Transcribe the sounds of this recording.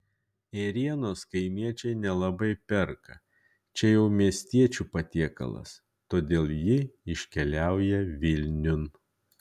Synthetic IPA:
ɛɾʲiɛnoːskɐɪmʲiɛt͡ʃʲɛɪnʲɛlˠɐbɐɪpʲɛɾkɐ | t͡ʃʲɛjɛʊmʲiɛsʲt̪ʲiɛt͡ʃʲuːpɐt̪ʲiɛkɐ̰lˠɐ̰s | t̪oːd̪ʲeːlˠjɪɪʃʲkʲɛlʲæˑʊjɛʋʲɪlʲnʲʊn

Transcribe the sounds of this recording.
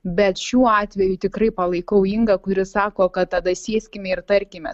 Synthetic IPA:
bʲɛt̪ʃʲuːɑːt̪ʲʋʲɛjʊt̪ʲɪkɾɐɪpɐlˠɐɪkɐʊɪŋɡɐkʊɾʲɪsɑːkoːkɐt̪tɐd̪ɐsʲiɛsʲkʲɪmʲɛɪɾt̪ɐɾʲkʲɪmʲɛ̰s

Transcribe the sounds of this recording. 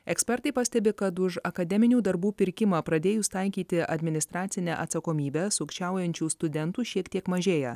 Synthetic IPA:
ɛksʲpʲɛɾt̪ɐɪpɐsʲt̪ʲɛbʲɪkɐt̪ʊʃɐkɐd̪ʲɛmʲɪnʲuːd̪ɐɾbuːpʲɪɾʲkʲɪmɑːpɾɐd̪ʲeːjuːst̪ɐɪkʲiːt̪ʲɪʔɐd̪ʲmʲɪnʲɪst̪ɾɑːt̪sʲɪnʲæʔɐt̪sɐkoːmʲiːbʲɛːsʊkʃʲt͡ʃʲæˑʊjɛnʲt͡ʃʲuːst̪ʊd̪ʲɛnt̪uːʃʲiɛkt̪ʲiɛkmɐʒʲeːjɛ

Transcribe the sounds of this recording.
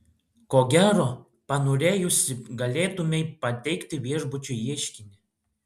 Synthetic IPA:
koːɡʲæːɾoː | pɐnoːɾʲeːjʊsʲɪɡɐlʲeːt̪ʊmʲɛɪpɐt̪ʲɛɪkt̪ʲɪʋʲiɛʒbʊt͡ʃʲʊjiɛʃʲkʲɪnʲɪ

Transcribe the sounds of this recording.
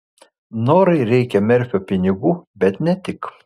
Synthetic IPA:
noːɾɐɪɾʲɛɪkʲɛmʲɛɾʲfʲoːpʲɪnʲɪɡuːbʲɛt̪nʲɛt̪ʲɪk

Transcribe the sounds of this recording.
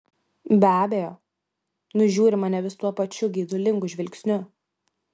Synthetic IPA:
bʲæːbʲejoː | nʊʒʲuːɾʲɪmɐnʲɛʋʲɪst̪uɔpɐt͡ʃʲʊɡʲiːd̪ʊlʲɪŋɡʊʒʲʋʲɪlʲksʲnʲʊ

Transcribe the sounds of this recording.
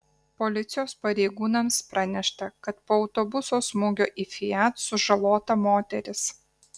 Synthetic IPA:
polʲɪt̪sʲɪjoːspɐɾʲɛɪɡuːnɐmspɾʔɑnʲɛʃt̪ɐkɐt̪poːɒʊt̪obʊsoːsmʊːɡʲoːʔiːfʲɪjæːt̪sʊʒɐlˠoːt̪ɐmoːt̪ʲɛɾʲɪs

